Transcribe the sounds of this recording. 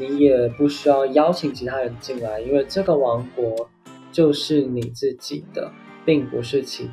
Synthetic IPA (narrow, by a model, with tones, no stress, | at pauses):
ni˧˥jɛ˨˩pu˥˩ɕy˥jɑ˥˩ʊjɑ˥ʊt͡ɕʰi˧˥ŋt͡ɕʰi˧˥t̪ʰa˥ɻə˧˥nd̪ə˧t͡ɕi˥˧ŋwa˥˧˩ɪi˥nwe˥˧ɪʈ͡ʂɤ˥˩ɡə˩wɑ˧˥ŋkwɔ˧˥ | t͡ɕjo˥˧ʊʂɻ̩˥˩ni˨˩t͡sɹ̩˥˩t͡ɕi˨˩d̪̥ə̰˦ | pi˥˩ŋpṵ˧˥ʂɻ̩˥˧t͡ɕʰḭ˧˥